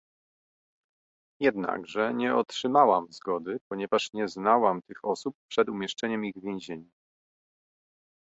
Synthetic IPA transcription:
jɛd̪na̰ɡʐɛɲɛɔtʂɘmawamzɡɔd̪ɘpɔɲɛvaʂɲɛznawamt̪ɘxɔsup̚ːʂɛd̪umʲjɛʂt͡ʂɛɲɛmiɣvʲjɛ̃ʑeɲu

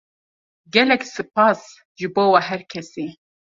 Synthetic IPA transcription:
ɡɛlɛksɨp̚ɑːs | ʒɨboːwɑɦɛɾkʰɛsiː

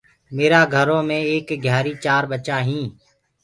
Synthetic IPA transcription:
meːɾaːɡʱəɾõːmẽːeːkɡʱjaːɾiːt͡ʃaːɾɓət͡ʃaːɦĩː

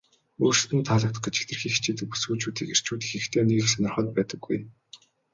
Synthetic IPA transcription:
uːrʃt̪ɘ̆nt̪ʰaɮə̆k̚t̪ə̥̆χɡet͡ɕe̥t̪ɘ̆rxiːxt͡ɕʰeːt̪ɘ̆k̚pu̥sɡuːt͡ɕuːt̪iːker̥t͡ɕuːt̪ĭ̥xixt̪ʰeːniːɘ̆sanɔ̆rχœ̆t̪̚pæːt̪ə̆ɡːuj

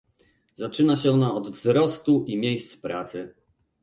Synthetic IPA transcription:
zat͡ʂɘnaɕɛɔnaɔd̪vzɾɔst̪uʔimʲjejst̪spɾa̰t̪sɘ

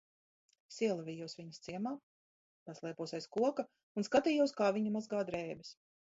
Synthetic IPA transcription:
sʲiɛlˠavʲijuɔsviɲɐst̪siɛmaː | paslˠiɛpuɔsɛjskuɔka | unskat̪iːjuɔskaːvʲiɲumazɡaːd̪ɾɛːbis

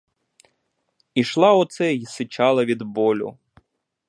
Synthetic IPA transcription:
iʃlˠɑɔt̪sɛjisɪt͡ʃɑlˠɐʋʲid̪bɔlʲʊ̰

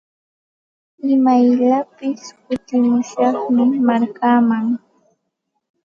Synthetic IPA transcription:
ɪmajʎapɪskʊt̪ɪmʊʃɑχmɪmaɾkaːmaŋ

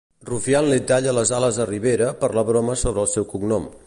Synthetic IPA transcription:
rufianlet̪aʎələzaləzðəriβeɾəpəɾlaβɾɔməsoβɾəlˠsɛwkuɡnɔm

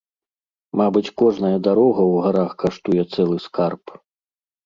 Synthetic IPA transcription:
mabɨt͡sʲkɔʐnɐjɐd̪aɾɔɣɐwɣaɾaxkaʂt̪ujɛt̪sɛlˠɨskarp

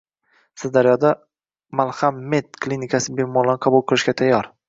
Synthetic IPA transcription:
sɪzd̪aɾjɒd̪a | malˠhamːe̞t̪̚kʰlʲinɪkʰʲasɪbe̞mɒlanqʰɑbulˠqʰɨlˠɪʃɡʲat̪ʰajːɒɾ

